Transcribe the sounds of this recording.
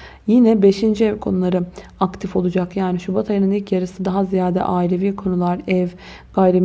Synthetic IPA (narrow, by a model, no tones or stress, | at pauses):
jinɛbe̞ʃind͡ʒiɛvkʰo̞nulˠaɾɯakt̪ʰifo̞lˠud͡ʒakjaːniʃubat̪ʰaɾinɯnilʲcjaɾɯsɯd̪aɦazijaːd̪ɛ̰ʔaːilʲeviːkʰo̞nulˠaɾɛv | ɡ̥ajɾem